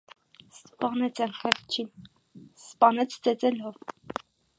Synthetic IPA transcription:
spɑnɛt͡sʰɛnχɛχt͡ʃʰin | spɑnɛt͡sʰd͡zɛt͡sɛlɔv

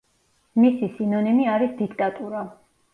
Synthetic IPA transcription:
misisinɔnimiaɾisd̪ikʰt̪ʼat̪ʼuɾa

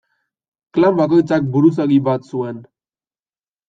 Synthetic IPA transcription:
klambʱakəjt͡sak̚bʱuɾusaɡibat̪suan

